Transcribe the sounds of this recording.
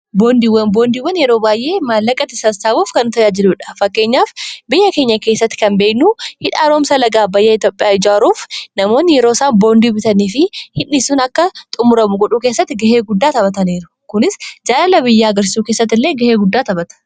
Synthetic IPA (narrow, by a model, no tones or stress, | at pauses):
bo̞ːnd̪iːwːɐnbo̞ːnd̪iːwɐnjɛɾo̞ːbaːjʔe̞ːmaːlːɐkʼɐt̪ɪsɐsaːbuːfkɐnʊt̪ɐjaːd͡ʒɪluːᶑɐ̥fɐkːe̞ːɲːaːfbɪjːɐke̞ːɲːɐkeːsːɐt̪ːɪ̥kɐnbe̞ːknuhɪᶑaːɾo̞ːmsɐlɐɡaːbɐjːɐɪt̪jo̞ːpʼɪjaːɪd͡ʒaːɾuːfnɐmo̞ːnːɪjɛɾo̞ːsaːnbo̞ːnd̪iːbɪt̪ɐniːfɪhɪnːɪsunɐkːɐt̪ʼʊmʊɾɐmʊɡɔᶑukeːsːɐt̪ːɪɡɐheːɡʊd̪ːaːt̪ɐbɐt̪ɐneːɾʊ̥ | kʊnɪsd͡ʒaːlɐlɐbɪjːaːɐɡɐɾsɪsuːkeːsːɐt̪ːɪlːe̞ːɡɐheːɡʊd̪ːaːt̪ɐbɐt̪ɐ̥